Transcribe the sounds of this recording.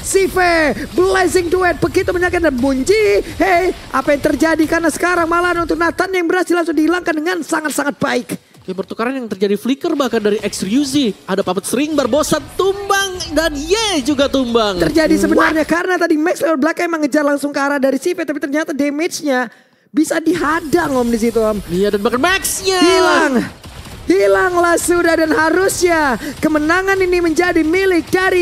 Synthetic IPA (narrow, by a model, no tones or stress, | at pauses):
sifebəlazɪŋduɛt̪̚bəkit̪uməɲakɪt̪̚damuɲd͡ʒihe | apajaŋt̪ərd͡ʒadikarnasə̥kaɾaŋmalanunt̪ʊk̚nat̪anjaŋbəɾasilaŋsʊŋdiilaŋkandəŋansaŋat̪̚saŋat̪̚baɪk | kpərt̪ukaɾanjaŋt̪ərd͡ʒadiflikərbahkandaɾiʔɛksrjuziadapapət̪̚səɾiŋbarbosat̪ːumbaŋdanijad͡ʒuɡat̪umbaŋt̪ərd͡ʒadisəbənarɲakarənat̪adimɛkslabəlakajməŋəd͡ʒarlaŋsʊŋkaɾadaɾisipɛt̪apit̪ərɲat̪ademet͡ʃɲa | bisadiɦadaŋɔmdis̬it̪̬uamjadanbakanmɛksɲahilaŋ | hilaŋlahsudahdanɦaɾʊsɲakəmənaŋaniniməɲd͡ʒadimilɪk̚daɾi